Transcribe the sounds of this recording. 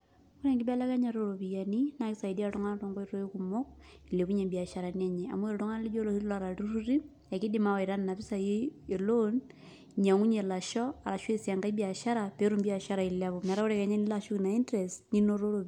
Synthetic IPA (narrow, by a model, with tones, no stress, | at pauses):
ku˦ɾɛ˨ŋɡɪ˦bɛ˦la˦ka˦ɲa˨ɾoɾo˨βi˨ja˨ni˦na˦kisa˨idi˦a˨tɔ˦ŋa˦n˦tɔŋɡɔ˦i˦ɾo˦i˦kumo˦k̚i˨le˨ku˦ɲɛ˨bi˨a˨ʃaɾa˨nia˦ɲɛa̰˨mwe˦ɾo˨tɔ˦ŋa˦li˦d͡ʒo˦lo˨si˦la˨ɾa˨tu˦ɾu˦ɾi˦ | a˨ki˦dima˦wa˨i˨ɾa˦nna˨fi˦sa˨jiː˦˨lon | ɲa˨ŋu˦ɲɛ˨la˨ʃɔ˦a˨la˨ʃwe˦sja˨ŋɡa˦i˦bi˨a˨ʃa˦ɾa˨pe˦ɾu˦mbi˦a˨ʃa˦ɾa˨i˨laβɔ˨mɛ˨ɾa˦kuɾɛkɛ˨ɲɛ˦ni˦laʃo˦kina˨i˦ntɾɛstni˦no˦ɾo˦ɾo